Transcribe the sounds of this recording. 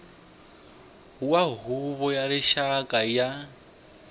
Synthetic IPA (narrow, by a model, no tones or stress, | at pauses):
ɦuwaɦuβɔjaɾɪʃakʼaja